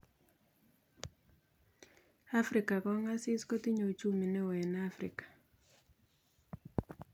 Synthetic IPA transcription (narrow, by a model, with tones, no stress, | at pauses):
a˦fɾɪ˨ka˨kɔ˦ŋa˦sɪ˦sko˦ti˦ɲo˨t͡ʃu˦mi˨nɛ˦wɛ˨na˦fɾḭ˨kḁ˨